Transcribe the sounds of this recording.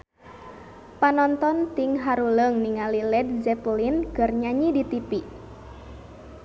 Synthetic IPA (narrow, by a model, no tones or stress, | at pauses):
panɔnt̪ɔnt̪iŋɦaɾuləŋniŋalilɛd̚zɛplinkərɲaɲidit̪ipi